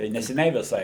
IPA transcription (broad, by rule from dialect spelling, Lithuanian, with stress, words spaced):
tɐɪ nʲɛsʲɛˈnʲɛɪ ʋʲɪˈsɐɪ